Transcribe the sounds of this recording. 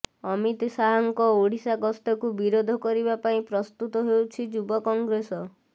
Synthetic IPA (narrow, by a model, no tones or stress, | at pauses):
ɔmit̪saɦɔŋkɔoɽ̤isaɡɔst̪ɔkubiɾod̪ʱɔkɔɾibapaĩpɾɔst̪ut̪ɔɦewt͡ʃʰid͡ʒubɔkɔŋɡɾesɔ